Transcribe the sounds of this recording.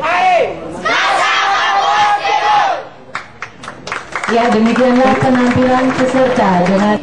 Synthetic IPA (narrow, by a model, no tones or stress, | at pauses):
jadəmikianlahkənampilanpəsərt̪adəŋa